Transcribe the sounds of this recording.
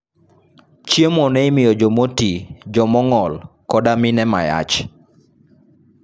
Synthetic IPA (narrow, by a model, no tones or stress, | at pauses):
t͡ʃjemɔnɛɪmɪjɔd͡ʒɔmotid͡ʒɔmɔŋɔlkɔdamɪnɛma̰ja̰t͡ʃ